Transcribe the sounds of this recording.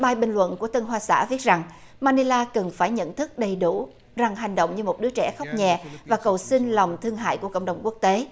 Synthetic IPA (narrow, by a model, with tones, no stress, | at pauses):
ɓaː˧jɓï˨ŋlwə̰˧˨nku˧˩ət̪ə˧nɦwaː˧sa̰ː˧˥vi˦˥t̚za˨˩ŋ | maː˧ni˧laː˧kə˨˩ŋfaː˧˩jɲə̰˧˨nt̪ʰɨ˦˥k̚ɗə˨˩jɗu˧˩ | za˨˩ŋɦa˨˩jŋ̟ɗo̰˧˨wŋ͡mɲɨ˧mo˨˩t̚ɗɨ˨˦ət͡ɕɛ̰˧˩xk͡p̚ɲɛ˨˩vaː˨˩kə˨˩wsï˧ŋ̟lɔ˨˩wŋ͡mt̪ʰɨ˧əŋɦa̰ː˧˨jku˧˩əkə̰˧˨wŋ͡mɗə˨˩wŋ͡mku˦˥ək̚t̪e˨˦